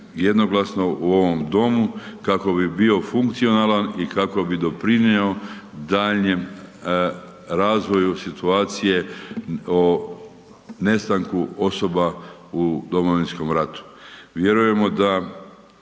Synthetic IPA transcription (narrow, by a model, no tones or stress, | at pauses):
je̞d̪no̞ɡlˠasno̞ʔuo̞ʋo̞md̪o̞mukako̞bibio̞fuŋkt̪sio̞nalanikako̞bid̪o̞pɾineo̞ | d̪aʎɲem | ɾaːzʋo̞jusit̪uaːt̪sije̞ | o | ne̞st̪aŋkuo̞so̞baud̪o̞mo̞ʋinsko̞mɾat̪u̥ʋje̞ɾuje̞mo̞d̪a